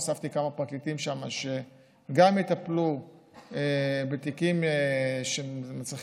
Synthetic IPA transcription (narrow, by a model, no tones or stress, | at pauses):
saft̪ikamapʁaklit̪imʃamaʃe | ɡamjit̪aplu | ebet̪ikimeʃemat͡sʁiχ